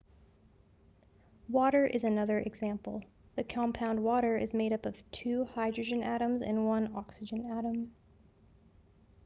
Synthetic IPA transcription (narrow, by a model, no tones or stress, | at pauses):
wɔɾə˞ʔɨzɨnʌðə˞ʔɨɡzæ̃mpl̩ˠ | ðɨkʰɑ̃mpʰãʊ̃nd̚wɔɾə˞ʔɨ̰zmeɪɾʌpʌv̥tʰʉhaɪdɹɨd͡ʒɨ̃næ̰ɾə̃mzɨ̰̃nwʌ̃nɑksɨd͡ʒɨ̃næɾə̃m